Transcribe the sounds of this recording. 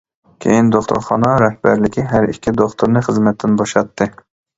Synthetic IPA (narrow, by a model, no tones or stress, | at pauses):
kʲʰḛjind̪oχt̪ʰṵɾχɑ̰nɑɾɛhb̥æɾlɪkʲʰiɦæɾikʲʰːid̪oχt̪ʰuɾnɨχəzmɛt̪ʰːɪnboʃɑt̪ʰːɨ